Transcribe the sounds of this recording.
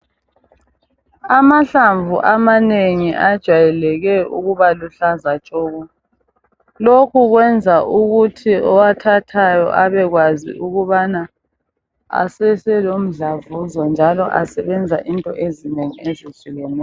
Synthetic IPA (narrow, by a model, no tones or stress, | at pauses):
amaɬaɱvṵʔamaneŋiʔad̥ʒ̥ʱwajɛlɛɣɛṵɣuβaluɬazat͡ʃʼɔːɣɔ | lokʰuɣwɛnd͡zʱaʔuɣutʰiɔwatʰatʰajɔ̰ʔaβɛɣwazḭʔuɣuβana | a̰sɛsɛlom̩ɮavuzɔnd͡ʒʱalɔʔasɛβɛnd͡zʱaʔintʼɔʔezineŋiezisiɣɛnɛ